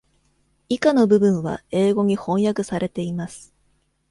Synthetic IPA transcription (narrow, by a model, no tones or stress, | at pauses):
ikano̞bɯ̟bɯ̟̃ɰ̃βa̰e̞ːɡo̞ɲ̟ihõ̞ɰ̃jakɯ̟saɾe̞t̪e̞imasɨ̥